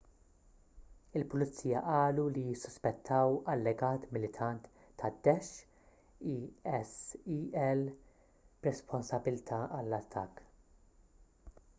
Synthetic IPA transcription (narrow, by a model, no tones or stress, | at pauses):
ɪlpʊlɪt͡sːiːjɐʔɐːlulijɪsːɔ̥spɛt̪ʰːɐwɐlːɛɡɐːt̪mɪlɪt̪ʰɐnt̪ː | ɐd̪ːɛʃ | iɛsiɛl | ɾɛspʰɔnsɐbɪlt̪ʰɐɐlːɐt̪ʰːɐ̰kː